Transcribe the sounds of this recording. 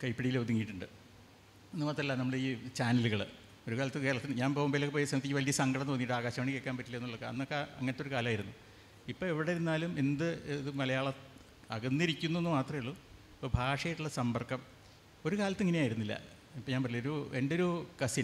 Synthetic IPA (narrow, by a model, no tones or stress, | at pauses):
kɐjpːiɽijiled̪ʱiŋːijiʈːuɳɖɨ | enːɨmaːt̪ːrɐlːanɐmːuɭeiːt͡ɕaːnɐluɣɐɭɨ | o̞ɾukaːlɐt̪ːɨke̞ːɭɐt̪ːinɨɲaːnpoɐmbelokːepoːjsɐmit̪ːikːʋɐlijɐsɐŋɡɐɽɐnt̪oːnːiʈːaːɣaːɕɐmaːɳikːekːaːnpɐtːilːɐenːuɭːokːeɐ̰nːokːeɐ̰ŋːɐnet̪ːoɾukaːlɐmaːjiɾunːu | ipːoːeʋiɽeɾunːaːlumend̪ɨðɨmɐlɐjaːɭɐ | ɐɣɐnːiɾikʲːunːenːɨmaːt̪rɐmjiɭːo | pːobʱaːʂɐjiʈːuɭːɐsɐmbɐrkːɐm | o̞ɾukaːlɐt̪ːeŋːɐne̞aːjiɾunːilːɐ̰ | ipːoɲaːnpɐrɐlioɾuʔeɳɖo̞ɾukɐsi